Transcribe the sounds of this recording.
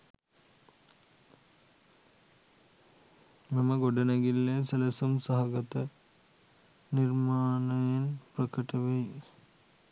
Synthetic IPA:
mɐmɐɡoɖɐnɐɡilːeselɐsumsɐɦɐɡɐt̪ɐ | nirmaːnɐjenprɐkɐʈɐʋej

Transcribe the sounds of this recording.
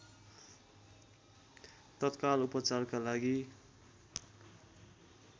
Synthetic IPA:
t̪ʌt̪kalupʌt͡sarkalaɡi

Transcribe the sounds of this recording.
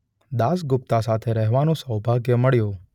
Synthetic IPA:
d̪asɡʊp̚t̪asat̪ʰeɾəɦʋanõsəwbʱaɡjəməɭjõ

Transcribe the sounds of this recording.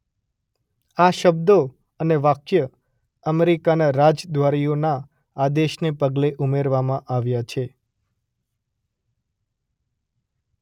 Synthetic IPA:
aʃəb̚d̪o | əneʋakjə | əmeɾikanaɾad͡ʒd̪ʋaɾijonaː | d̪eʃnepəɡleʔumeɾʋamãʔaʋjat͡ʃʰe

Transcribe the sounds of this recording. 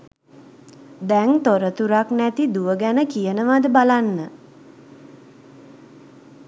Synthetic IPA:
d̪ɛŋt̪oɾət̪uɾaknæt̪id̪uʋəɡænəkijənəʋad̪əbalanːə

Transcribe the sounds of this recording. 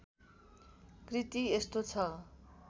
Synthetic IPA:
krit̪iest̪ot͡sʰʌ

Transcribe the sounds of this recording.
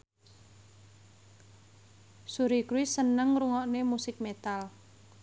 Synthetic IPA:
suɾikuisənəŋɾuŋɔʔnemusɪk̚met̪al

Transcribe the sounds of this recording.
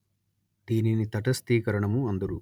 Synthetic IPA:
d̪iːninit̪ɐʈɐst̪iːkɐɾɐɳɐmuɐnd̪ɐɾu

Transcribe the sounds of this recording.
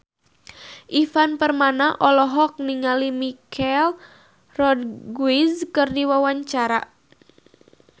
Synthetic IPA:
ʔifanpərmanaʔɔlɔɦɔk̚niŋalimikʰal | rɔd̚ɡwizkɨrdiwawaɲt͡ʃaɾa̰

